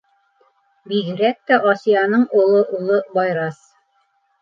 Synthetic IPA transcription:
biðɘ̆ɾæk̚t̪æʔosʲijɑnɤɴulˠɤʔulˠɤbɑjɾɑs

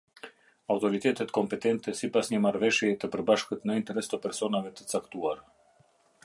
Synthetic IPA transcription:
awt̪ɔɾit̪ɛt̪ɛt̪kɔmpɛt̪ɛnt̪ɛsipasɲəmaɾvɛʃjɛt̪əpəɾbaʃkət̪nəint̪ɛɾɛst̪əpɛɾsɔnavɛt̪ə̥t͡sakt̪uaɾ

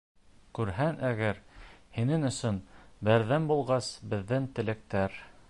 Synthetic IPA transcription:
kʉɾɦænʔæɡæɾhinɘŋɵ̆sɵnbæɾðæmbulˠʁɑsbɘ̆ðːɘŋt̪ɘ̆lɘ̆k̚t̪æɾ

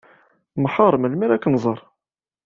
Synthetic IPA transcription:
mħɑɾˤməlmæɾækːnzˤɑɾˤ

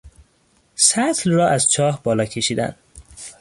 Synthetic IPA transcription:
sæt̪ʰlrɒːʔæzt͡ʃʰɒːhbɒːlɒːcʰe̞ʃiːd̪æ̰nd̪

